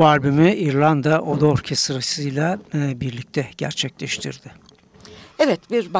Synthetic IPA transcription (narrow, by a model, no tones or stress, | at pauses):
baɾʲbymiʔiɾlˠand̪aʔod̪aoɾcʰesɯɾasɯjlʲˠabiɾlʲic̚t̪ʰɛɟ̥æ̰ɾt͡ʃʰɛclʲɛʃt̪ʰḭɾd̪̥ɪ | ɛvɛt̪biɾb